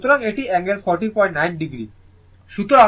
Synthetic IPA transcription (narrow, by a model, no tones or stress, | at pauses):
t̪oɾaŋeʈiɛŋeɾfɔɾʈipɔjɳʈnajnɖiɡɾi | ʃut̪oɾa